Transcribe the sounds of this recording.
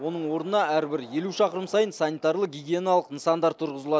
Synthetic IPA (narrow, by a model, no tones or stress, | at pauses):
wo̞nəɴwo̞ɾnənɑæɾbɪɾje̞luʃɑqəɾəmsɑjənsɑnʲijt̪ɑɾlˠəɡʲiɡʲienɑlˠəqnəsɑnd̪ɑɾt̪ʰʊɾʁəzəlˠɑ